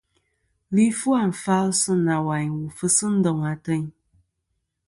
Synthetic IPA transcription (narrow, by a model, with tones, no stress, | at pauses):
li˦fu˦a˦˨n̩˨fa˦lsɨ˦na˨wa˨ɲwu˨fɨ˦sɨ˦n̩˦dɔ˨ŋa˨tɨ˦ɲ